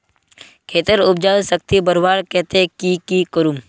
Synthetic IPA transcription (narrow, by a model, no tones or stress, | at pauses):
kʰeːt̪əɾʊb̚d͡ʒaːsək̚t̪ibəɾbaːɾkɛɦt̪ekikikəɾum